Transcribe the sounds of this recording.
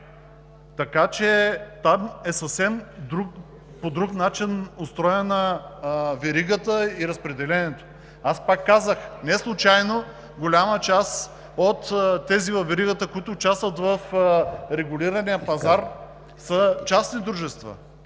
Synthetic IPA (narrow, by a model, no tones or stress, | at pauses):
t̪ɐkat͡ʃɛt̪amɛsəfsɛmd̪ɾuk | pod̪ɾuknat͡ʃinʊst̪ɾɔjənɐ | vɛɾiɡət̪əiɾɐspɾɛd̪ɛlɛnɛt̪o̥ | aspakːazəxnɛslˠʊt͡ʃajno | ɡolʲamət͡ʃas | ot̪ːɛzivɐfvɛɾiɡət̪əkʊit̪ʊːt͡ʃast̪vət̪vəfɾɛɡʊliɾənijəpɐzaɾ | sət͡ʃasnid̪ɾuʒɛst̪və̰